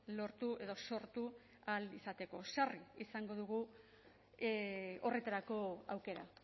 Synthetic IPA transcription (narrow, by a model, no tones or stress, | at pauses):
lo̞ɾt̪ue̞ðo̞so̞ɾt̪u | alisat̪e̞ko̞sariisaŋɡo̞ðuɣ̞u | o̞re̞t̪aɾako̞awke̞ɾa